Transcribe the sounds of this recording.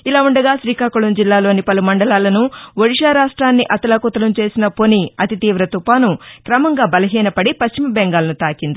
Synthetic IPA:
ilaːuɳɖɐɡaːʃɾiːkaːkuɭɐmd͡ʒilːaːlo̞ːnipɐlumɐɳɖɐlaːlɐnuʋoɽiʂaːɾaːʂʈɾaːnːiʔɐt̪ɐlɐkut̪ɐlɐmt͡ʃe̞ːsinɐponiɐt̪it̪iːʋɾɐt̪upaːnukɾɐmɐŋɡaːbɐlɐɦiːnɐpɐɽipɐʃt͡ʃimɐbɛŋɡaːlɐnut̪aːkind̪i

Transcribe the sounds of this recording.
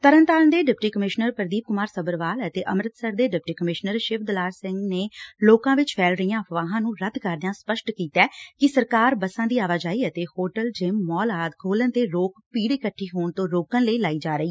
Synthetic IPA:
t̪əɾənt̪aːnd̪eːɖɪpʈiːkəmɪʃnəɾpəɾd̪iːp̚kʊmaːɾsəbəɾʋaːlət̪eːʔəmɾət̪səɾd̪eːɖɪp̚ʈiːkəmɪʃnəɾʃɪʋd̪əlaːɾsɪ̃ŋɡneːloːkãːʋɪt͡ʃpʰɛːlɾəijãːpʋaːɦãːnũːɾəd̪kəɾd̪ãːspəʃʈkiːt̪ɛːkɪsəɾkaːɾbəsãːd̪iːaːʋaːd͡ʒaːiːət̪eːhoːʈəld͡ʒɪmːɔːlaːd̪kʰoːlənt̪eːɾoːkpiːɽiːkəʈʰːiːɦoːɳt̪õːɾoːkənləiːlaːiːd͡ʒaːɾəiː

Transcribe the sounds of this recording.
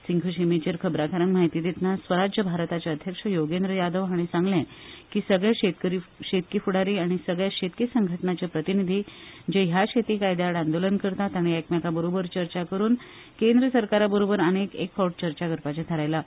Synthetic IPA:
siŋkʰuɕimet͡ɕəɾkʰəbɾakʰaɾənmaɦit̪iːt̪it̪nasʋəɾad͡ʑjəbʱaɾt̪at͡ɕaəd̪ʱjəkʂəjoɡend̪ɾəjad̪əʋɦaɽ̃isãŋɡlɛ̃kiːsəɡɭjaeɾiɕet̪̚kifuɽaɾiːaɽ̃isəɡɭjaɕet̪̚kisəŋɡʱəʈɳat͡ɕapɾət̪inid̪ʱiːd͡ʑeɦjaɕet̪ikajd̪aaɽãnd̪olənkəɾt̪at̪aɽ̃ijakmjakabəɾobəɾt͡ɕəɾt͡ɕakəɾuːn | kend̪ɾəsəɾkaɾabəɾobəɾənekekfɔwʈ̚t͡ɕəɾt͡ɕaɡəɾpat͡ɕẽt̪ʰəɾajla

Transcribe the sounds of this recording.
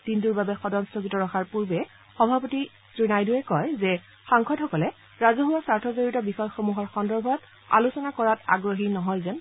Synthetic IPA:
d̥induɹbabɛxɔdɔnstoɡitɔɹɔxaɹpuɹbɛ | xɔbʱapɔti | sɹinajduɛkɔjzɛ | xaŋkʰɔdhɔkɔlɛ | ɹazɔɦuwasaɹtʰɔzoɹitɔbixɔjxomuɦɔɹxɔndɔɹbʱɔt | a̰lusɔnakɔɹata̰ɡɹoɦinɔɦɔjzɛn

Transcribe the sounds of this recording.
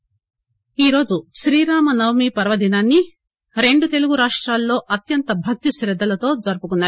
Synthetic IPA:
iːɾo̞ːd͡ʒuʃɾiːɾaːmɐnɐwmipɐɾʋɐd̪ʱinaːnːi | ɾe̞ɳɖut̪e̞luɡuɾaːʂʈɾaːlːo̞ːʔɐt̪jɐnt̪ɐbʱɐk̚t̪iʃɾɛd̪ːɐlɐt̪o̞ːd͡zɐɾupukunːaː

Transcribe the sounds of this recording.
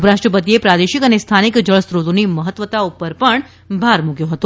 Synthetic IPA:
pɾaʃʈɾəpət̪iepɾad̪eʃikənest̪ʰanikd͡ʒəɭəst̪ɾod̪oniməɦət̪ːʋət̪aupəɾpəɳ | bʱaɾmukjõɦət̪o

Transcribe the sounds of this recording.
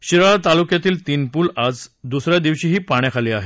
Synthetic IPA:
ɕiɾɭat̪alukjat̪iːlt̪iːnpuːlad͡zd̪usɾjad̪iʋɕiːɦiːpaɽ̃jakʰaliːaɦe

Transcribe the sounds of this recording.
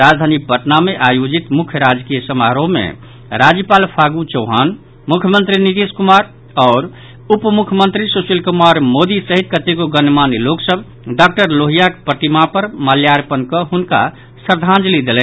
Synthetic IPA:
ɾad͡ʒd̪ʱanibʱəʈnameʔajod͡ʒit̪mukʰjəɾad͡ʒkijəsəmaɾomḛ | ɾad͡ʒjəpalpʰaɡut͡ʃəʊɦan | mukʰjəmənt̪ɾinit̪eskumaɾ | ɔːɾ | upmukʰjəmənt̪ɾisusilkumaɾmod̪isəɦit̪̚kət̪eɡoɡənmaniloksəbʱ | ɖak̚ʈəɾloɦijakpət̪imapəɾməljaɾpənkəɦunka̰ | səɾd̪ʱãnd͡ʒlid̪elɛn

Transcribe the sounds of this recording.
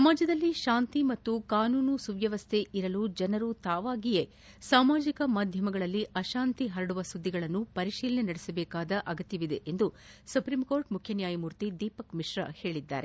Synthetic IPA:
sɐːmaːd͡ʒɐd̪ɐlːiʃaːnt̪imɐt̪ːukaːnuːnusuʋjɐʋɐst̪ʰe̞ʔiɾɐluːd͡ʒɐnɐɾut̪aːʋaːɡije̞ | saːmaːd͡ʒikɐmaːd̪ʱjɐmɐɡɐɭɐlːiʔɐʃaːnt̪iɦɐɾɐɽuʋɐsud̪ːiɡɐɭɐnːupɐɾiʃiːlɐnenɐɽesɐbɛːkaːd̪ɐʔɐɡɐt̪jɐʋid̪e̞ʔend̪u | supɾiːmko̞ːɾʈmukʰjɐnjaːjɐmuːɾt̪id̪iːpɐkmiʂɾɐ̰he̞ːɭid̪ːa̰ːɾḛ

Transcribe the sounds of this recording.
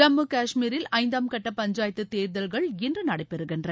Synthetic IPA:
ɾɐmːɯkaːʂmiːɾɪlɐɪnd̪aːmkɐʈːɐpɐɲd͡ʒaːjɐt̪ːɯt̪eːɾðɐlɣɐɭɪndrɯnɐɽɐɪpːɛɾɯɣɪndrɐ

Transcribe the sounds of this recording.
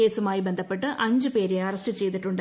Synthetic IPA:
eːsumaːjibe̞nd̪ʱɐpːe̞ʈːɨʔʔɐɲd͡ʑɨpe̞ːɾeɐrɐstɨt͡ɕe̞jt̪̬iʈːuɳɖ

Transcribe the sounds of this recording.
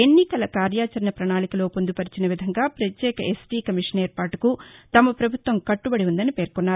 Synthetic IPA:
e̞nːikɐlɐkaːɾjaːt͡ʃɐɾɐnɐpɾɐɳaːlikɐlo̞ːpo̞nd̪upɐɾit͡ʃinɐʋid̪ʱɐŋɡaːpɾɐt̪jɛːkɐʔesʈiːkɐmiʂɐneːɾpaːʈukut̪ɐmɐpɾɐbʱut̪ʋɐmkɐʈːubɐɽiund̪ɐnipe̞ːɾkunːaːɾu

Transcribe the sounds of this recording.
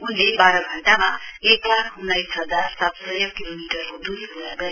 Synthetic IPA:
unlebaɾʌɡʱʌɳʈamaeklaɾunːajsɦʌd͡zaɾsat̪sʌjʌkilomiʈʌɾkod̪usɦʌd͡zaɡʌ

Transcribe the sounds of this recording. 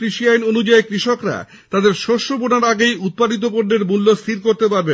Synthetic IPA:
kɾiʃiajnonud͡ʑaekɾiʃokɾa̰ | t̪ad̪eɾʃoʃobonaɾaɡejut̪̚pad̪it̪̬op̬oɾneɾmulːost̪ʰiɾkoɾt̪epaɾbe

